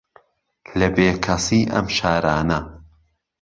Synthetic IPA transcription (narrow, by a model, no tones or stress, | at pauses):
lɐbeːkʰɐsiːʔɐ̰mʃaːɾaːnɐ